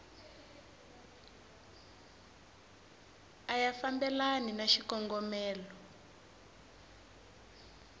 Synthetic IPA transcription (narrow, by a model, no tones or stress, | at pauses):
ajafambɛlaninaʃikɔŋɡɔmɛːlɔ